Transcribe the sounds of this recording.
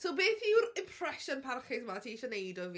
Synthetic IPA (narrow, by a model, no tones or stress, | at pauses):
sowbeːθɪwɾɪmpʰr̥ɛʃɔnpʰarχɪsmatʰiːɪʃɔnejdɔvi